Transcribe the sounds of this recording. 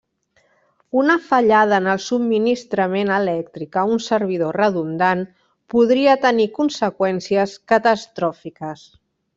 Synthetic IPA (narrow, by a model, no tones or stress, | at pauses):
unəfəʎað̞əːnəlˠsubmːinist̪ɾəmenəlɛk̚t̪ɾikəunsəɾβ̞iðorəðund̪an | puðɾiət̪ənikunsəkwɛnsiəskət̪əst̪ɾɔfikəs